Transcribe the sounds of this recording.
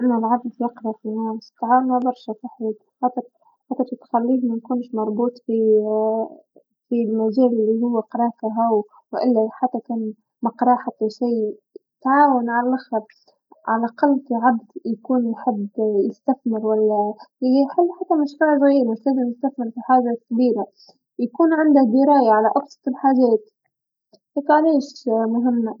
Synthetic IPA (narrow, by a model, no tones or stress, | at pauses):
ʔɪnːalʕabt̪jɑqɾˤɑfinæːmst̪ʕaːwnabɑɾˤʃafaħːd̪ | ħat̪ːa | ħat̪ːat̪it̪xalːiːhmankuːnʃmɑɾˤbuːt̪ˤfi | filmaʒæːllːiɦʊwːaqɑɾˤɑːfaɦaw | wʔɪlːaħat̪ːakæːn | mɑqɾˤɑːħat̪ːaʃiːɪt̪ʕaːwanʕalalʔaxɑ | ʕalʔaqɑlːfiʕabd̪jakuːnjħɪbjɪst̪aθmɪɾwalːaħalːħat̪ːamaʃɾuːʕzɣiːɾmʊħt̪ad̪anjɪst̪aθmɪɾfiħaːʒasabiːɾa | jakuːnʕɪnd̪ahd̪ɪɾɑːjaʕalaʔɑbsˤɑ̥t̪ɪlħaːʒaːt̪ | heːk̪ʕaleːʃmʊɦɪmːa